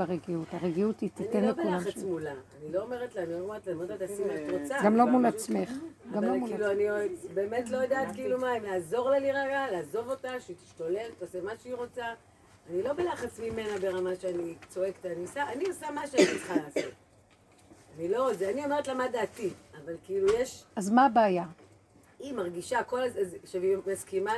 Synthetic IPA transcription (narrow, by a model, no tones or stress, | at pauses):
baʁeɡiutaʁeɡiutit̪init̪enlebulaaχat͡smulaanilo̞ome̞ʁetlaanilomeetlaometlat̪asimat̪ʁot͡saɡamlomulat͡smeχɡɡavlouiluanibe̞ːme̞t̪lo̞jadaːt̪kiːlumaemlaːzo̞ʁlaliʁaɡalaːzo̞vo̞taʃeit̪i̥ʃtole̞lt̪osemaʃeiʁo̞t͡sa | anilobelaχat͡smime̞nabe̞ʁamaʃeanit͡so̞e̞kt̪aːniosaʔːniosamaʃeaniiχalaːso̞t | anilo̞ozeanio̞meet̪lamadaːtiavalkilujeʃazmabaːja | imaʁɡiʃako̞lazzʃevimaskima